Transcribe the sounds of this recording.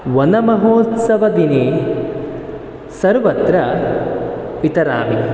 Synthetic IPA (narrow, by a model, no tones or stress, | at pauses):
ʋɐnɐmɐɦoːt̪sɐʋɐd̪ineː | sɐɾʋɐt̪ɾɐ | it̪ɐɾa̰ːmi